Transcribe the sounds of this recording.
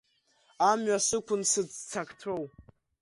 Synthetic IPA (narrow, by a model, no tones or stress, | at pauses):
amɥasɨkʷʰʊnsɨd͡zt͡sʰakʼtʰow